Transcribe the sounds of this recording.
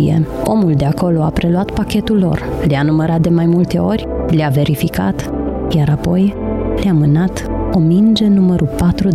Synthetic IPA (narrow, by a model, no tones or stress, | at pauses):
jḛo̞̰muld̪e̞ako̞lo̞apɾe̞luat̪pakʲe̞t̪ulːo̞̰rleanuməɾat̪̚d̪e̞majmult̪e̞o̞rʲleave̞ɾifika̰t̪jaɾapo̞jleamɨnat̪o̞mind͡ʒenuməɾupat̪ɾu